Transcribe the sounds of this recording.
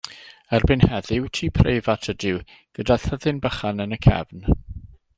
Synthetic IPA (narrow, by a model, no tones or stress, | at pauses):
ərbɪnhɛðɪwtʰiːpʰrejvatʰədɪw | ɡ̥ədaθhəðɪnbəχanənəkʰɛ̰vn